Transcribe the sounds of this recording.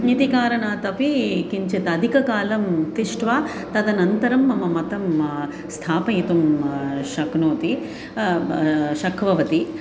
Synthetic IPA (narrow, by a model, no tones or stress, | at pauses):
nit̪ikaːɾɐnaːt̪ɐpikiɲt͡ʃet̪ɐd̪ʱikɐkaːlɐmt̪iʂʈʋaː | t̪ɐd̪ɐnɐnt̪ɐɾɐmːɐmɐmɐt̪ɐm | st̪ʰaːpɐjit̪umʃɐknoːt̪i | ʃɐkʰʋɐʋɐt̪i